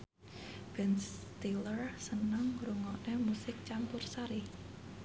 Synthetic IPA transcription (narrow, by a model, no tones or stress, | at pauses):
b̥ɛnst̪ilərsənəŋɾuŋɔʔnemusɪk̚t͡ʃampʊrsaɾi